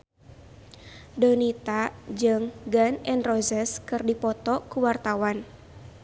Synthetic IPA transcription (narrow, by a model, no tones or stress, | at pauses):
donit̪ad͡ʒɨŋɡanɛnrɔzɛskɨrdipɔt̪ɔkuwart̪awan